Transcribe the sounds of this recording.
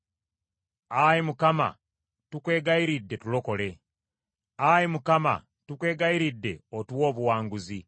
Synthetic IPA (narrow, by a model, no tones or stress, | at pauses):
ajimukama̰ | tukwe̞ːɡaiɾidːe̞tulo̞ko̞le̞ | ajimukama̰ | tukwe̞ːɡaiɾidːe̞̰otwwo̞ːβuwaːŋɡuzi